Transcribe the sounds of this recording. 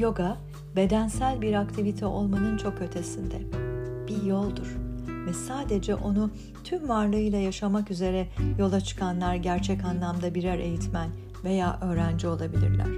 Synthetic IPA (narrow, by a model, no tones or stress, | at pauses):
jo̞ɡa | be̞d̪ænsælʲbiɾakt̪ʰivit̪ʰɛo̞̰lˠmanɯnt͡ʃʰo̞kø̞t̪ʰe̞sind̪ɛb̥ijo̞lˠd̪uɾ̥vɛsaːd̪e̞d͡ʒɛʔo̞nu | t̪ʰymvaɾlˠɯɯjlˠajaʃamakyze̞ɾɛjo̞lˠat͡ʃʰɯ̥kʰanlˠaɾɟæɾt͡ʃʰɛcanlˠamd̪abiɾæɾʔe̞̰jit̪mæn | ve̞jaːʔø̞ːɾænd͡ʒio̞lˠabilʲḭɾlʲæ̰ɾ̥